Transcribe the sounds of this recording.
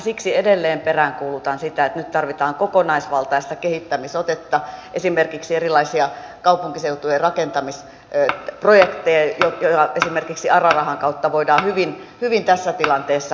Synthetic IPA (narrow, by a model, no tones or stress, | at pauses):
siksiedelːeːmperæŋkuːlut̪ɑnsit̪æet̪nyt̪t̪ɑrʋit̪ɑːŋkokonɑisʋɑlt̪ɑist̪ɑkehit̪ːæmisot̪et̪ːɑʔesimerkiksierilɑisiɑ | kɑupuŋkiseut̪ujerɑkent̪ɑmis | projekt̪ejɑjojoɑesimerkiksiʔɑrɑrɑhɑŋkɑut̪ːɑʋoidɑːhyʋin | hyʋint̪æsːæt̪ilɑnt̪eːsːɑ